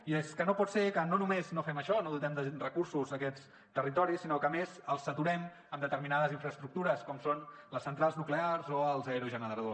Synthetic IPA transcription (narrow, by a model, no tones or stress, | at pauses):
ieskənopɔt̪sekənonumeznofɛməʃɔnoðut̪ɛmd̪ərəkuɾsuzðəkɛt͡s | t̪ərit̪ɔɾisinɔkəːmezəlˠsːət̪uɾɛm | əmd̪ət̪əɾminaðəziɱfɾəst̪ɾuk̚t̪uɾəskɔmsonləsːənt̪ɾalˠznuklearzoəlˠzɛɾuʒənəðɾəðos